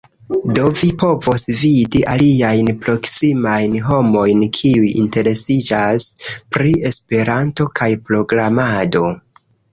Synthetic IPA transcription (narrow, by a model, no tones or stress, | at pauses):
do̞vipo̞vo̞svidiʔaliajnpɾo̞ksimajnɦo̞mo̞jnkʰiujinte̞ɾe̞sid͡ʒaspɾie̞spe̞ɾanto̞kʰajpɾo̞ɡɾamado̞